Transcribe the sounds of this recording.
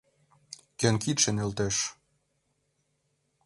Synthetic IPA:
kønkit̪ʃĕnelt̪eʃ

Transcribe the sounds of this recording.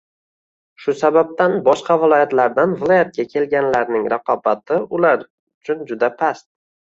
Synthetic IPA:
ʃʊsabab̚t̪anbɒʃqɑvɪlˠɒjat̪laɾd̪anvɪlˠɒjat̪̚ɡʲakʲʰe̞lɡʲanlaɾnɪŋɾɑqɒbat̪ʰɪʊlaɾ | ʊt͡ʃʰʊnd͡ʒʊd̪apʰast̪̚

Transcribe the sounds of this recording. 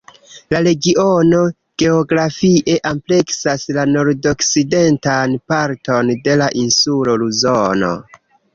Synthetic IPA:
laɾe̞ɡio̞no̞ | ɡ̥e̞oɡɾafiʔe̞ʔample̞ksaslano̞ɾdo̞kside̞ntanpaɾto̞nde̞laʔinsulo̞luzono̰

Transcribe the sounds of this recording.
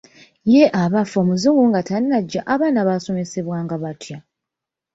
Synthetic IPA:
jeʔaβafo̞ːmuzuwuŋɡatannaɟːaʔaβaːnaβaso̞me̞se̞βwaːŋɡaβatja

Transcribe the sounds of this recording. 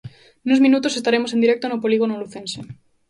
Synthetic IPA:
nuzmĩnut̪osest̪aɾemoend̪iɾek̚t̪onopoliɣ̞onoluθẽnse

